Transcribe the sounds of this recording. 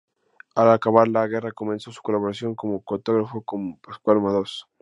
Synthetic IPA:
alakaβaɾlaɣe̞rako̞mẽ̞nso̞su̥ko̞laβo̞ɾasjo̞ŋko̞mo̞kot̪oɣɾafokompaskwalmaðos

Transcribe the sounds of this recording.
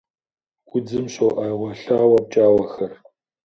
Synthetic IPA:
ɡ̥ʷʊd͡zɨmɕowʔaːʁʷɐɬaːwɐp̚t͡ʃʼaːwɐxɐr

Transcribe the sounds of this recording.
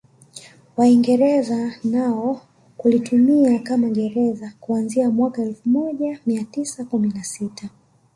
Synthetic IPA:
waiŋɡɛɾɛzanaɔ | kulitumiakamaɠɛɾɛzakuanziamwakaɛlfumɔʄamiatisakuminasitʰa

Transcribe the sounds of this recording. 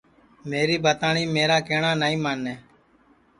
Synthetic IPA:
meːɾiːbaːt̪aːɳiːmeːɾaːkeːɳaːnaːĩːmaːnːeː

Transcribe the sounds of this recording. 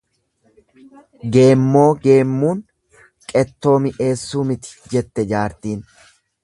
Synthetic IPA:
ɡe̞ːmːo̞ːɡe̞ːmːuːn | kʼɛt̪ːo̞ːmɪʔe̞ːsːuːmɪt̪ɪ̥d͡ʒɛt̪ːɛd͡ʒaːɾt̪iːn

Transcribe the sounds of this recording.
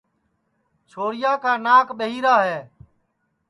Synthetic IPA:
t͡ʃʰoːɽɪjaːkaːnaːkɓəɦiːɾaːɦɛː

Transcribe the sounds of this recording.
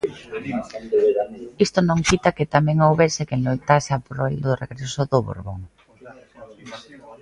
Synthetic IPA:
ist̪onõŋkit̪akɪt̪amɛ̃ŋowβeɾsɪkelojt̪aseapɾeld̪oreɣɾesʊðoβo̰ɾβoŋ

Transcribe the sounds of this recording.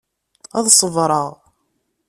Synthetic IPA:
æðsˤəvɾˤəʁ

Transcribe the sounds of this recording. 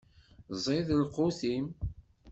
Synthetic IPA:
zˤeðəlqːoθim

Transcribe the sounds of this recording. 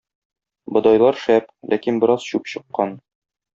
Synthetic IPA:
bɤ̆d̪ɑjlˠɑɾʃæplʔækinbɘ̆ɾɑz̥ɕʉpɕɤ̆qːɑn

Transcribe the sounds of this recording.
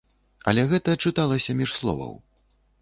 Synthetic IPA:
ɐ̰lʲɛɣɛt̪ɐt͡ʂɨt̪alˠɐsʲɐmʲiʂslˠɔ̰vɐ̰w

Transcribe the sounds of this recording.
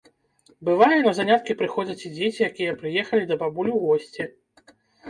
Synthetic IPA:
bɨvajɛnɐzanʲat̪̚kʲipɾɨxɔd͡zʲɐt͡sʲid͡zʲet͡sʲijakʲijɛpɾɨjɛxɐlʲid̪ɐbabulʲuwɣɔsʲt͡sʲɛ

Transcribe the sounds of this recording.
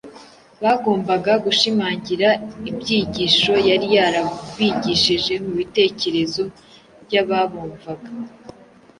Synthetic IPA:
βaɡo̞ːmbaɡaɡuʃimaːɲɟiɾaibɟiːɟiːʃo̞jaɾijaːɾaβiɟiʃiʒe̞muβite̞ːce̞ɾe̞zo̞ | bjaβaβuːɱvaɡḁ

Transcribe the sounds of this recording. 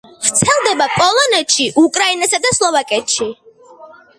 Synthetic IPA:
vɾt̪sʰɛlˠd̪ɛbapʼɔlˠɔnɛt̪ʃiʔukʼɾainasad̪aslˠɔvakʼɛt̪ʃi

